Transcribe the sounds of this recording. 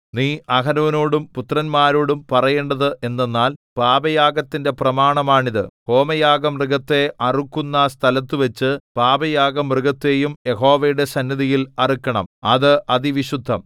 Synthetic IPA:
niːʔɐɦɐnuːnoːɽumput̪rɐnmaːɾoːɽumpɐrɐjeːɳɖɐðɨʔe̞nːenːaːlpaːbɐjaːɡɐt̪ːinde̞prɐmaːɳɐmaːɳiðɨho̞ːmɐjaːɡɐmrɨɡɐt̪ːe̞ɐrukːunːɐst̪ʰɐlɐt̪ːuʋɐt͡ɕːɨpaːbɐjaːɡɐmrɨɡɐt̪ːe̞ːjumje̞ɦo̞ːʋɐjuɽe̞sɐnːɐðijilɐrikːɐɳɐ̰mɐðɨʔɐðiʋiɕud̪ʱːɐm

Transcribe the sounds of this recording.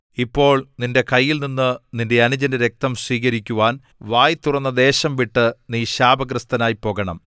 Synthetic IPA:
ipːo̞ːɭninde̞kɐjːilninːɨninde̞ɐnud͡ʑɐndeɾe̞k̚t̪ɐmsʋiːkɐɾikʲːuʋaːn | ʋaːjt̪urɐnːɐd̪e̞ːɕɐmʋiʈːɨniːɕaːbɐɡrɨst̪ɐnaːjipo̞ːɣɐɳɐ̰m

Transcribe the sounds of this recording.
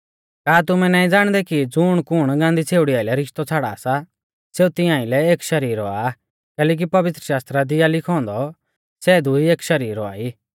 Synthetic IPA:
kaːt̪̬ʊmɛ̃naːĩd͡zaːɽ̃d̪ɛkid͡zʊɽ̃kʊɽ̃ɡãːnd̪it͡sʰeːuɽijaːilɛɾɪʃt̪ɔt͡sʰaːɽa̰ːsa | seːut̪ɪjãːilɛeːkʃɐɾiːɾɔaː | kɛːlɛːk̬ipɐʋɪt̪ɾəʃaːst̪ɾad̪ɪjalɪkʰɔ̃ːnd̪ɔ | sɛd̪ʊieːkʃɐɾiːɾɔa̰ːiː

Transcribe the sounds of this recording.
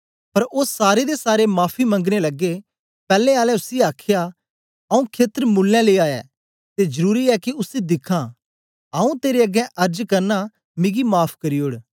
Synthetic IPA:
pɐɾoːsaːɾed̪esaːɾemaːpʰimɐ̃ŋɡɽelɐɡe | pɛːlẽaːlɛʊsiaːkʰɪja | ɐũkʰeːt̪əɾmʊlːɛ̃leːaːɛ̰ː | t̪ezɐɾuːɾiɛkiʊsid̪ɪkʰãː | aːũt̪eːɾeɐɡɛ̃ʔɐɾd͡ʒkɐɾna | mɪ̃ɡimaːpʰkɐɾioːɽ

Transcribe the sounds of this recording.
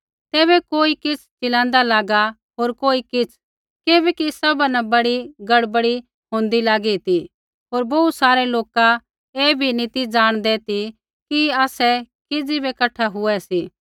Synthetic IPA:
t̪ɛːβɛkoːikɪt͡sʰt͡ʃɪlãːnd̪alaːɡa | ɦoːɾkoːikɪt͡sʰ | keːbɛkisɐbanɛ̃bɐɽiɡɐɽbəɽi | ɦõːnd̪ilaːɡit̪i | ɦoːɾbɐusaːɾɛloːka | eːbʱinit̪id͡zaːɽ̃d̪ɛt̪i | kiaːsɛ | kɪd͡zibɛkɐʈʰaɦʊɛsiː

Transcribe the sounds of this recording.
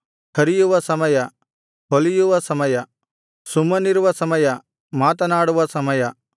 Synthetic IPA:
kʰɐɾijuʋɐsɐmɐjɐ | ɦolijuʋɐsɐmɐjɐ | sumɐniɾʋɐsɐmɐjɐ | maːt̪ɐnaːɽuʋɐsɐmɐjɐ

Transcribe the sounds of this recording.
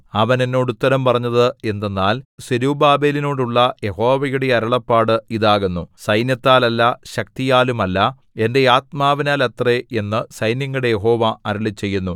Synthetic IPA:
ɐʋɐne̞nːo̞ːɽut̪ːɐɾɐmpɐrɐɲːɐðɨe̞nd̪enːaːlsiɾubaːbeːlino̞ːɽuɭːɐje̞ho̞ːʋɐjuɽe̞ɐɾɐɭɐpːaːɽɨiðaːɣunːusɐjnjɐt̪ːaːlɐlːɐɕɐk̚t̪ijaːlumɐlːɐ | e̞nde̞aːt̪̚maːʋinaːlet̪ree̞nːɨsɐjnjɐŋːɐɽe̞je̞ɦo̞ːʋɐɐɾɐɭit͡ɕːe̞jːunːu

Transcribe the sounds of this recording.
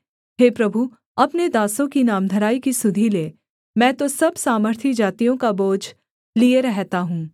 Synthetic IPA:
ɦeːpɾɐbʱu | ɐpned̪aːsõkinaːmd̪ʱəɾaːikisʊd̪ʱileː | mɛ̃ːt̪osɐbsaːməɾt̪ʰid͡ʒaːt̪ijõkaboːd͡ʒ | lieɾɛɦt̪aɦũː

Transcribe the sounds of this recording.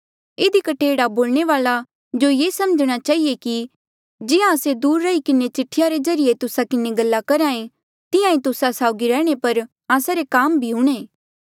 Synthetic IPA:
ɪd̪ikɐʈʰeːɽaboːlɽ̃eʋaːla | d͡ʒojeːsɐməd͡ʒɽ̃at͡ʃaːɦijeki | d͡ʒɪjãəsed̪uːɾːɐikɪnet͡ʃɪʈʰːɪjaɾed͡ʒɐɾɪjet̪ʊsakɪneɡɐlːakɐɾaːẽ | t̪ɪjãĩt̪ʊsasaːʊɡiɾɛːɽ̃epɐɾ | aːsaɾekaːmbʱiɦʊɽ̃ẽː

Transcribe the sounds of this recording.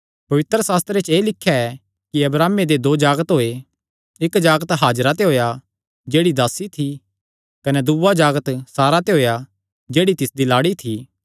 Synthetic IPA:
pɐʋɪt̪ɾəsaːst̪ɾet͡ʃeːlɪkʰːjaɛ | kiɐbɾaːmed̪ed̪oːd͡ʒaːɡət̪ɦoːe | ɪkd͡ʒaːɡət̪ɦaːd͡ʒɾat̪̬eɦoːja | d͡ʒeːɽid̪aːsit̪ʰi | kɐnɛd̪uʋad͡ʒaːɡət̪saːɾat̪eɦoːja | d͡ʒeːɽit̪ɪsd̪ilaːɽit̪ʰiː

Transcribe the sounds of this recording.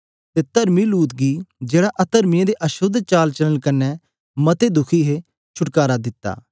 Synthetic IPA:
t̪et̪ɐɾmiluːt̪ɡid͡ʒeːɽaʔɐt̪əɾmɪãd̪eʔɐʃʊd̪t͡ʃaːlt͡ʃɐlənkɐnːɛ | mɐt̪ed̪ʊkʰiɦe | t͡ʃʰʊʈkaːɾad̪ɪt̪ːa̰ː

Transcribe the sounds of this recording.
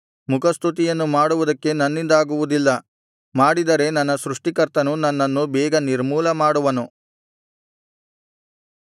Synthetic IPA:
mukʰɐst̪ʰut̪̬ijɐnːumaːɽuʋud̪ɐkːe̞nɐnːind̪aːɡuʋud̪ilːɐ | maːɽid̪ɐɾe̞nɐnːɐsɾuʂʈikɐɾt̪ɐnunɐnːɐnːubɛːɡɐniɾmuːlɐmaːɽuʋɐnu

